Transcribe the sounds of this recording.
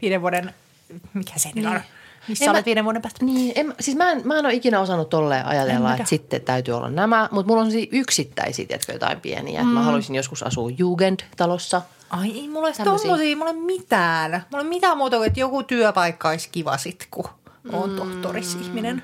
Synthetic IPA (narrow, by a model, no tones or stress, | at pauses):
ʋiːdeʋuoden | mikhæsenilonmisːeomːet̪ʋiːneʋuoɾempæːst̪niːemːsiːsmæenmæenoikinæosɑnːut̪t̪olːḛːʔɑ̰jɑt̪elːɑesit̪ːet̪æyt̪yo̰lːɑ̰nnæmæmut̪mulːonsemsiːʔyksit̪ːæ̰isḭːt̪ḛt̪kø̰jo̰t̪ɑ̰impḭḛnḭæ̰et̪mæhɑlusinjoskusɑ̰suːjuːɡend̥̪t̪ɑlosːɑ | ɑieimulesst̪omːosiːmulemmit̪æːnmulemmit̪æːmuːt̪ɑkuet̪jokut̪yœpɑikːɑiskiʋɑ̰sit̪kuoːnt̪oht̪orisihminen